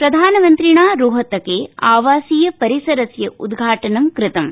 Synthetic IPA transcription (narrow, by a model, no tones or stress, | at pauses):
pɾɐd̪ʱaːnɐmɐnt̪ɾiɳaːɾuːɦɐt̪ɐkeːaːʋaːsiːjɐpɐɾisɐɾɐsjɐʔud̪ɡʱaːʈɐnɐmkɾɪt̪ɐm